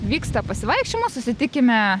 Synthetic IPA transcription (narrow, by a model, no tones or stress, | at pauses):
ʋʲiːkst̪ɐpɐsʲɪʋɐɪkʃʲt͡ʃʲɪmosʊsʲɪt̪ʲɪkʲɪmʲɛ